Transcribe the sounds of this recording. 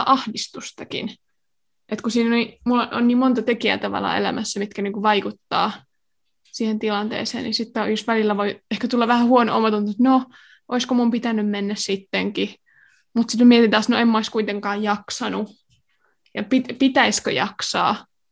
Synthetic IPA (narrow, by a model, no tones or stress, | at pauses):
ʔɑhdist̪ust̪ɑkḭn | ʔet̪kusiːnonimulːoonniːmmont̪ɑt̪ekiæ̰t̪ɑʋɑ̰lɑ̰ḛlæ̰mʔæsːæmit̪kæniːŋkuʋɑikut̪ːɑ̰ː | siːhent̪ilɑnt̪ḛːsḛːnnḭsit̪ːejusʋælilːæʋoiehkæt̪ulːɑʋæhæhuono̰ʔomɑt̪unt̪et̪no | ʔoiskomumpit̪ænːymmenːæssit̪ːeŋki | mut̪sit̪mæmiet̪int̪æːsnoemːæoiskuit̪eŋkɑːjjɑksɑnu | jɑpit̪pit̪æiskø̰jɑksɑ̰ː